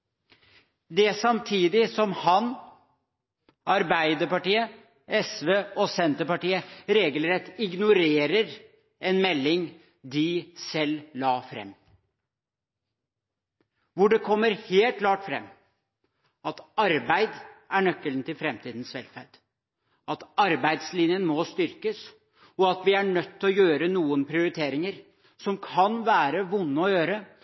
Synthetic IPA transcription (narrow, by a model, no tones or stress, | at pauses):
d̪ɛsɑmt̪ʰiːd̪ɪsɔmhɑn | ʔɑɾbæɪd̪əpɑʈiːə | ɛsʋeːɔsɛnt̪əpɑʈiːəɾeːɡəlɾɛt̪ːɪɡnʊɾeːɾəɾ | ɛnmɛlːɪŋ | d̪ɪsɛlːɑːfɾɛ̰mː | ʋʊɖɛkʰɔmːəɾheːlt̪̚kʰlɑːʈfɾɛ̰mː | ɑt̪ɑɾbæɪd̪æɳœkːələnt̪ɪlfɾɛmt̪ʰiːd̪n̩sʋɛ̰lfæɾɖ̥ | ɑt̪ɑɾbæɪd̪slɪnjənmɔst̪ʏɾkəs | ɔɑt̪ʋɪæɳœt̪ːɔjøːɾənuːənpʰɾɪʊɾɪt̪ʰeːɾɪŋəɾ | sɔmkʰɑnʋæːɾəʋʊnːəɔjøːɾə